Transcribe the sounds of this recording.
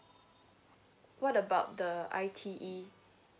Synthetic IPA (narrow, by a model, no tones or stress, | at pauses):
wɔtəbaʊt̚dəa̰ɪtʰiʔi